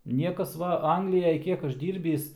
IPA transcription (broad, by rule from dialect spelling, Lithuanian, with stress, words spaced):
ˈnʲiɛkɐs ˈʋɐ ˈɐŋɡlʲɪjɛj ˈkʲiɛk ˈɐʃ ˈdʲiːrʲbʲiːs